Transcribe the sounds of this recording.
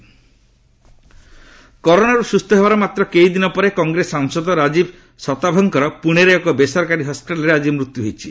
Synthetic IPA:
kɔɾoɽ̃aɾusust̪ʰɔɦebaɾɔmat̪ɾɔkejd̪inɔpɔɾekɔŋɡɾesaŋsɔd̪ɔɾad͡ʒib | sɔt̪abʱɔŋkɔɾɔpuɽ̃eɾeekɔbesɔɾkaɾiɦɔspiʈalɾead͡ʒimɾut̪juɦojt͡ʃʰi

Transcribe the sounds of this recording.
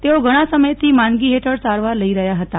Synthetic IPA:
t̪eʋoɡʱəɽ̃asəməjt̪iːmanɡiːɦeʈʰəɽt͡saɾʋaɾləiɾəjaɦət̪a

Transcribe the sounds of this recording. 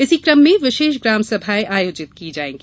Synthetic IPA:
ɪsikɾəmːẽʋɪʃeːʃ̬ɡɾaːmsɐbʱaːiʔaːjoːd͡ʒɪt̪̚kid͡ʒaːeːɡi

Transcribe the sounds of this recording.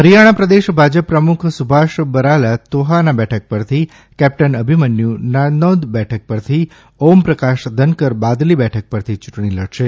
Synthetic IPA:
ɦəɾijaɽ̃apɾəd̪eʃbʱad͡ʒəpːɾəmukʰsubʱaʃbəɾalat̪oɦanabɛʈʰək̚pəɾt̪ʰi | kɛp̚ʈənəbʱimənjũnanɔd̪bɛʈʰək̚pəɾt̪ʰi | ompɾəkaʃd̪ʱənkəɾbad̪libɛʈʰək̚pəɾt̪ʰit͡ʃuʈɳ̃iləɽʃe

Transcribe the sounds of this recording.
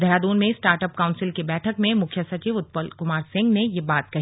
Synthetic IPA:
d̪ʱɐɾaːd̪uːnmẽsʈaːɾʈəp̚kaʊ̃nsɪlkebɛːʈʰəkmẽmʊkʰjəsɐt͡ʃiːʋʊt̪̚pəlkʊmaːɾsɪ̃ŋɡnejebaːt̪kɐɦi

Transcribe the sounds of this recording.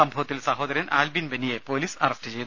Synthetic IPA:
ɐmbʱɐʋɐt̪ːilsɐɦoːd̪ɐɾjɐnʔaːlbinbɐnijepoːliːsɐrɐstɨt͡ɕe̞jn

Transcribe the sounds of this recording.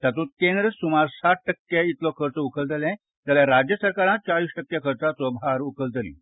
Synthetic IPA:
t̪at̪ut̪̚kẽnd̪ɾəsumaɾsaʈ̚ʈəkːeit̪lɔkʰəɾt͡sɔukəlt̪əlɛ̃ | t̪aljaɾad͡ʑjəsəɾkaɾãt̪̚t͡ɕaɭiːsʈəkːjakʰəɾt͡sasɔbaɾukəlt̪əlḭ

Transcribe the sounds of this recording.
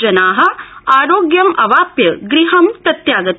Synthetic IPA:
d͡ʒɐnaːɦɐ̆aːɾoːɡjɐmʔɐʋaːpjɐɡɾiɦɐmt̪ɐt̪jaːɡɐt

